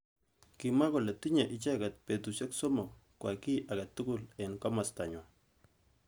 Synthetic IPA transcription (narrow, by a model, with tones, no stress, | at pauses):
ki˨ma˦ko˨le˨t̪i˦ɲa˨ʔi˨t͡ʃa˦ɡa˨t̪̚pe˨t̪u˨sɛ˦ksɔ˦mɔ˨kwa˨ki˦ʔaɡa˨t̪ːu˦kʊ˦lɛ˨nka˦ma˨sta˨ɲwa˨